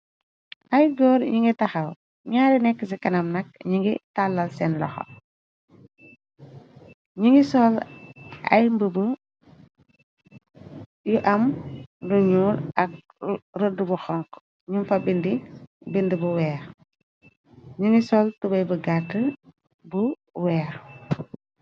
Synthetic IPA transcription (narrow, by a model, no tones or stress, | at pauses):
ʔɐjɡɔːɾɲiŋɡitɐxɐl | ɲaːɾinɛkːəsikɐnɐmnɐk̚ɲiŋɡitalːɐlsɛnlɔ̰xɔ̰ | ɲiŋɡisɔl | ɐ̰jmbəbə | juʔɐmduɲuːlɐk̚ | rədːubuxɔŋk | ɲumfɐbindibindibuwɛːɾ | ɲiŋɡisɔːltubɐjbəɡatːə | bu | wɛːɾ